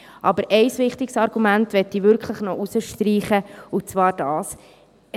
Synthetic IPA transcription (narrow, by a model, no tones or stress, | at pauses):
ʔɑbəɾʔɛɪsʋɪχtɪksɑɾɡ̥umæntʋɛtːivʏɾkχləχnɔʔusəʃtɾiːχəʊt͡svɑːɾd̥ɑːs